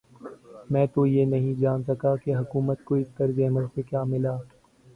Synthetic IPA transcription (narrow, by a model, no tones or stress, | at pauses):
mɛ̃ːt̪ojenɐɦĩd͡ʒaːnsɐkakeɦʊkuːmət̪koɪst̪ɐɾzeːməɾsekjaːmɪlaː